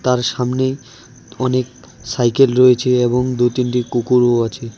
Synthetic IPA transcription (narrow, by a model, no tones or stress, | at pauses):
t̪aɾʃamnej | ɔnek̚ | sajkelɾoet͡ɕʰeeboŋd̪ut̪inʈikukuɾoat͡ɕʰe